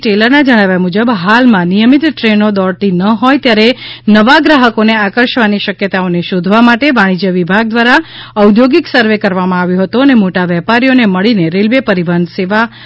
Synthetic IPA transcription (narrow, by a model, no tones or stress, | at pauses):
ʈeləɾnad͡ʒəɽ̃aʋjamud͡ʒəbɦalmãnijəmit̪ʈɾenod̪ɔɽt̪inəɦojt̪jaɾenəʋaɡɾaɦəkoneakəɾʃʋaniʃəkjət̪aoneʃod̪ʱʋamaʈeʋaɽ̃id͡ʒəʋibʱaɡ̚d̪ʋaɾaəwd̪ʱjoɡiksəɾʋekəɾʋamãaʋjoɦət̪uənemoʈaʋɛpaɾijoneməɭineɾelʋepəɾiʋənseʋa